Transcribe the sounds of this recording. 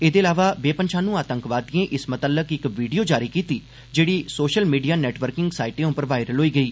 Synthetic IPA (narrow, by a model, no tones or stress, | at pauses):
eːd̪eːlaːʋaːʋeːpənʃʰaːnũːaːt̪əŋkʋaːd̪iẽːʔɪsmət̪əlːəkɪkʋiːɖijoːd͡ʒaːɾiːkiːt̪iː | d͡ʒeːɽiːsoːʃəlmiːɖijaːnɛːʈʋəɾkɪŋɡsaːɪʈẽːʊ̃pəɾʋaːɪɾəlɦoːiːɡəiː